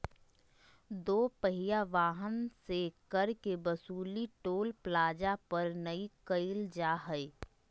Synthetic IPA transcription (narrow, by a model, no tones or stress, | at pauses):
d̪oːpəɦɪjaʋaːɦənsekɐɾkebɐsuːliʈoːlplaːd͡ʒapɐɾnəikəɪld͡ʒaːɦəi